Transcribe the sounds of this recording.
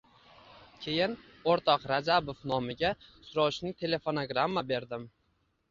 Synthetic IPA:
kʲʰe̞jɪn | oɾt̪ʰɒqɾad͡ʒabofnɒmɪɡʲasʊɾɒwʃnɪt̪ʰe̞le̞fo̞noɡɾamːabe̞ɾd̪ɪm

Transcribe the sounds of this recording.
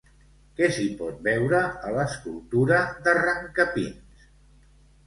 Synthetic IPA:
kɛsipɔt̪̚bɛwɾəələskulˠt̪uɾəðəraŋkəpḭns

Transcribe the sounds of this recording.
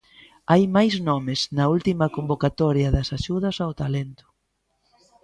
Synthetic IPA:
ajmajznɔmɪznɐult̪imɐkombokat̪ɔɾjɐðɐsaʃuðɐsawt̪alent̪ʊ̥

